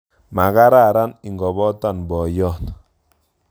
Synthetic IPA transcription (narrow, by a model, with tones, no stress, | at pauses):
ma˨ka˦ɾa˦˨ɾa˦ni˨ŋɡɔ˨bɔ˦ta˦˨nbɔ˨jɔ˦˨t